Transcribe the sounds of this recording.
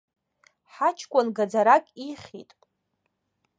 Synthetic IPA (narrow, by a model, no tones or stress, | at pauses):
ħat͡ʃʰkʷʼanɡad͡zaɾakʼiχʲḭtʼ